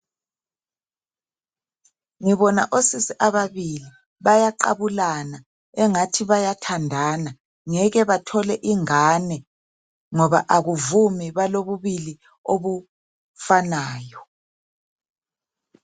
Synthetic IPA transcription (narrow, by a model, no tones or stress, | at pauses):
ŋiβɔna̰ʔosisiʔaβaβili | βajaǃa̰βulana | ɛŋatʰiβajatʰandʱaːna | ŋɛɣɛβatʰɔlɛʔiŋaːnɛ | ŋɔβa̰ʔaɣuvumiβaloβuβili | oβu | fanaːjɔ